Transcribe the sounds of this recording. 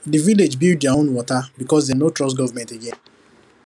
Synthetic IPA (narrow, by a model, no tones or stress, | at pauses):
diviled͡ʒbild̚djaõnwɔtabikɔs̬dɛnotɹɔs̬tɡɔvamɛ̃nteɡɛ̃n